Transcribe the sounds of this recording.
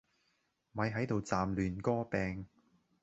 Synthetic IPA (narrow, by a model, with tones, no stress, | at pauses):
mɐ˨˥jɦɐ˨˥jt̪o˨wt͡saː˨mlyː˨nkɔː˥pɛː˨˧ŋ